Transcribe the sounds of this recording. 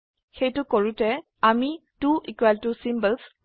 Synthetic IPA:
xejtʊkoɹutɛ | amituʔikwaltusimbəls

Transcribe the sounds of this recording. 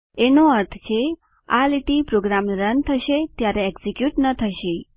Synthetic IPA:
enoəɾt̪ʰt͡ʃʰe | aliʈipɾoɡɾamɾənt̪ʰəʃet̪jaɾeeɡsikjuʈnət̪ʰəʃe

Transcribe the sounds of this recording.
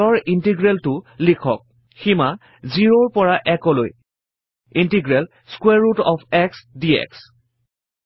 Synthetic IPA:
ɔɹintiɡɹɛltʊlikʰɔ̰k̚ | xima | ziɹoɹpɔɹaʔɛkɔloj | intiɡɹɛl | skwɛɹːutɔpʰɛksdiɛ̰ks

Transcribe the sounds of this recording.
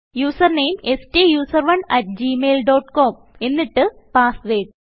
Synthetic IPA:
juːsɐrneːmesʈijuːsɐrʋɐɳɐʈ̚d͡ʑimeːlɖoːʈko̞ːm | e̞nːiʈːɨ | paːsʋeːɖ

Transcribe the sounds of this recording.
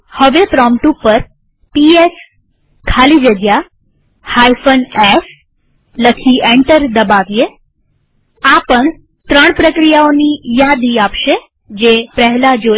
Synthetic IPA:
həʋepɾɔmʈupːəɾ | pies | kʰalid͡ʒəɡ̪ja | hajfənes | ləkʰieɳʈəɾd̪əbaʋje | apəɳ | t̪ɾəɳ̃pɾəkɾijaonijad̪iapʃe | d͡ʒepɛɦlad͡ʒo

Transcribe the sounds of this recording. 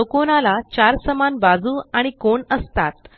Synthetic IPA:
okonalat͡ɕaɾsəmanbad͡zuːaɽ̃ikoɳəst̪at̪

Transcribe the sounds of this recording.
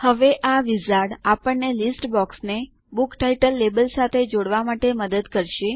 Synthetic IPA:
həʋeʔaʋizaɽapəɳnelisʈbɔksne | bukʈaiʈəlːebəlsat̪ʰed͡ʒoɽʋamaʈeməd̪əd̪kəɾʃe

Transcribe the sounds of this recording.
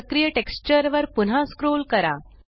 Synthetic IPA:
kɾijəʈekst͡ɕəɾʋəɾpun̤ɦaskɾolkəɾa

